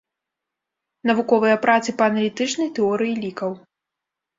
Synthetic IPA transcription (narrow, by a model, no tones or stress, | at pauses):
nɐvukɔvɨjɐpɾat̪sɨpɐːnɐlʲit̪ɨt͡ʂnɐjt̪ɛɔɾɨjilʲikɐw